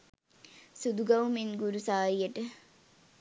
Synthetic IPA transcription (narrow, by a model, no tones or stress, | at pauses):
sud̪uɡɐwminɡuɾusaːɾijɐʈɨ